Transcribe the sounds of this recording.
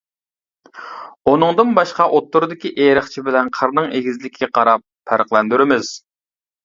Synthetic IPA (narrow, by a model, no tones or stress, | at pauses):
unɨŋd̪ɨnbɑʃqɑʔot̪ʰːuɾɨd̪ɪkʲiʔeɾəχt͡ʃʰibɪlɛnqʰəɾnɨŋeɡʲizlɪkʲʰːɡʲɛqʰɑɾɑp̚ʰːæɾqlˠɛnd̪yɾɪmɪz̥